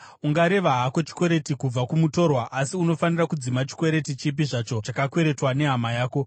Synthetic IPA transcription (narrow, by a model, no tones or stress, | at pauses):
uŋɡaɾe̞ʋaɦakot͡ʃi̥kwe̞ɾe̞tikub͡vakumuto̞rwaʔasiuno̞fanirakud͡zimat͡ʃi̥kwe̞ɾe̞tit͡ʃip̬iʐat͡ʃo̞t͡ʃakakwe̞ɾe̞twane̞ɦamajaːko̞